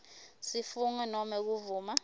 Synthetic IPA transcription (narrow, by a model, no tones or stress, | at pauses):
sifunwɛnɔmɛk̬uvuːma